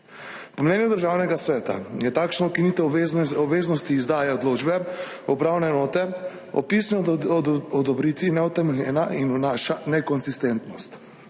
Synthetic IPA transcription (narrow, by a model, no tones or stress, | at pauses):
pɔmnɛnjud̪əɾʒaːwnɛɡasʋɛːt̪a̰jɛt̪akʃnɔukinit̪ɛɔbʋeːznɔst̪iːzd̪aːjɛɔd̪loːd͡ʒbɛɔpɾaːwnɛnoːt̪ɛ | ɔ̰pisnɔ | ɔd̪ɔbɾit̪ʋinɛut̪ɛmɛlʲjɛːnainunaʃanɛkɔnzist̪ɛnt̪nɔst̪